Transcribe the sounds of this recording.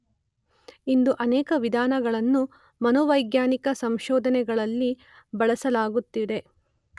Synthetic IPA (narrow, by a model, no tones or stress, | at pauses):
ind̪uʔɐnɛːkɐʋid̪ʱaːnɐɡɐɭɐnːu | mɐnɔʋɐjɡjaːnikɐsɐmʃɔːd̪ʱɐnɛɡɐɭɐlːi | bɐɭɐsɐlaːɡut̪ːid̪e̞